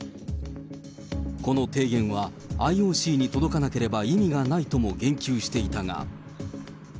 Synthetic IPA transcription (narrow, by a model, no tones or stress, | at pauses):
ko̞no̞t̪e̞ːɡẽ̞ɰ̃βaː | io̞ːɕiːɲ̟it̪o̞d̪o̞kanake̞ɾe̞baimʲiɡanait̪o̞mo̞ɡẽ̞ŋkʲɨːɕi̥t̪e̞it̪aŋa̰